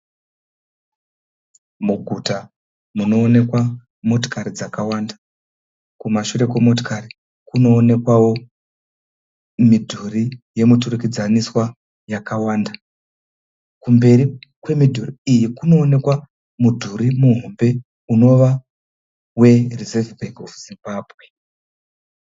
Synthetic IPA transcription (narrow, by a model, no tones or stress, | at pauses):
muɡʱuta | muno̞ːne̞kwa | mo̞t̬o̥kaɾid͡zakawandḁ | kumaʃuɾe̞kwemo̞to̥kaɾi | kuno̞ːne̞kwawo̞ | midʱurije̞muturukid͡zaniswa | jakawaːnda | kumbe̞ɾikwe̞midʱuriijikuno̞ːne̞kwa | mudʱuɾimuɦo̞mbe̞ | uno̞ʋa | we̞rizevbʱeɡovz̥imbaːbʱwe̞